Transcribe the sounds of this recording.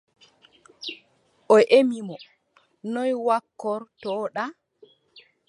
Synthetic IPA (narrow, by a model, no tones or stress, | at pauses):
ʔɔʔemimɔ | nɔjwakːɔɾtɔːɗa